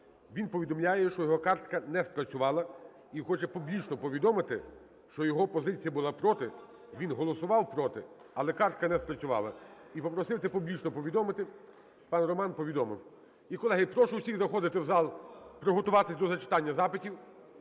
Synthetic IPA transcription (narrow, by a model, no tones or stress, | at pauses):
ʋʲinpɔʋʲid̪ɔmlʲajɛʃt͡ʃɔjɔɦɔkɑrt̪kɐnɛspɾɐt͡sʲʊʋɑlˠɐ | ixɔt͡ʃɛpublʲit͡ʃnɔpɔʋʲid̪ɔmɪt̪ɪ | ʃt͡ʃɔjɔɦɔpɔzɪt͡sʲijɐbʊlˠɑpɾɔt̪ɪ | ʋʲinɦɔlˠɔsʊʋɑwpɾɔt̪ɪ̰ | ɐlˠɛkɑrt̪̚kɐnɛspɾɐt͡sʲʊʋɑ̰lˠɐipɔpɾɔsɪwt̪ɛpublʲit͡ʃnɔpɔʋʲid̪ɔmɪt̪ɪ | pɑnrɔmɑnpɔʋʲid̪ɔmɪ̰w | ikɔlˠɛɦɐjpɾɔʃʊwsʲiɣzɐxɔd̪ɪt̪ɪwzɑlˠpɾɔɦɔt̪ʊʋɑt̪ɪsʲd̪ɔzɐt͡ʃɪ̥t̪ɑnʲːɐzɑpɪtʲiw